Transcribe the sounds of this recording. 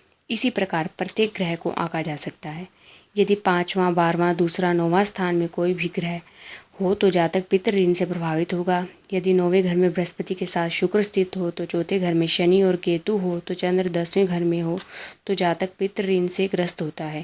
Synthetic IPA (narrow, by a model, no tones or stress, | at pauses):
ɪsipɾɐkaːɾpɾɐt̪jeːk̚ɡɾɛɦko̰ʔã̰ːkad͡ʒaːsɐkt̪aɦɛː | jɐd̪ipãːt͡ʃʋãbaːɾʋãd̪uːsɾanɔːʋãst̪ʰaːnmẽkoːibʱiɡɾɛɦhot̪od͡ʒaːt̪ək̚pɪt̪ɾəɾiːnsepɾɐbʱaːʋɪt̪ɦoːɡaː | jɐd̪inɔːʋeɡʱɐɾmẽbɾɐspət̪ikesaːt̪ʰʃʊkɾəst̪ʰɪt̪ɦot̪ot͡ʃɔːt̪ʰeɡʱɐɾmẽʃɐniɔːɾkeːt̪uɦot̪ot͡ʃɐ̃nd̪ɾəd̪ɐsʋẽɡʱɐɾmẽɦot̪od͡ʒaːt̪ək̚pɪt̪ɾəɾiːnseɡɾəst̪ɦoːt̪aɦɛː